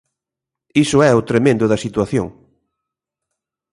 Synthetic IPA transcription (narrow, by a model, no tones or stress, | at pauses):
isʊɛʊt̪ɾemẽnd̪ʊðɐsit̪waθjo̰ŋ